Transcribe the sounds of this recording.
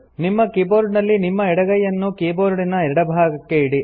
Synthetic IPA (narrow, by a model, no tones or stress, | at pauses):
nimːɐkiːboːɾɖnɐlːinimːɐɛɽɐɡɐjɐnːukiːboːɾɖinɐɛɾɐɽɐbʱaːɡɐkːeiɽi